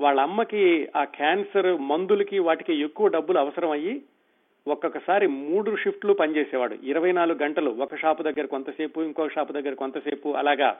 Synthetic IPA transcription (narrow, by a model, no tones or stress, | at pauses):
ʋaːɭːɐmːɐkiaːkʰaːnsɐɾmɐnd̪ulɐkiʋaːʈikeːekːuʋɐɖɐbːuluɐʋɐsɐɾɐmɐji | ɔkɐkɐsaːɾimuːɽuʂipʰʈlupɐnt͡ʃeːsɛːʋaːɽṵiɾɐʋɐjnaːluɡuɡɐɳʈɐluɔkɐʂaːpud̪ɐɡːɐɾɐkont̪ɐseːpuiŋkoːʂaːpud̪ɐɡːɐɾɐkont̪ɐseːpuʔɐ̰laːɡa̰ː